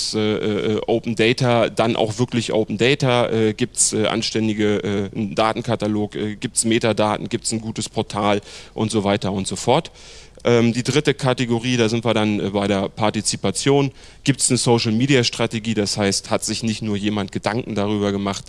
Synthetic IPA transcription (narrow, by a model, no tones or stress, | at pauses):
sʔɛːʔːʔɛːʔoʊpn̩dɛɪtad̥anʔa̰ʊxv̥ɪɐklɪçʔo̰ʊpn̩dɛɪtɐʔɛːɡiːp̚tsʔɛːʔa̰nʃtɛndɪɡəʔɛːn̩daːtn̩kʰataloːkʔɛːɡiːp̚tsmeːtadaːtn̩ɡiːp̚tsn̩ɡuːtəspʰɔɐtʰaːlʔʊntz̥ovaɪtɐʊntz̥ofɔɐt | ʔɛːmdiːdʁɪtəkʰateɡoʁiːdaːzɪntv̥iːɐɾanɛbaɪɾeːɐpʰaɐtit͡sipat͡sjoːn | ɡ̥iːp̚tsnəsoʊʃl̩miːdiaʃtʁ̥ateɡiːdashaɪsthatz̥ɪçnɪçtnuːɐjeːmant̚ɡ̥ədaŋkŋ̩daʁ̞yːbɐɡəmaχt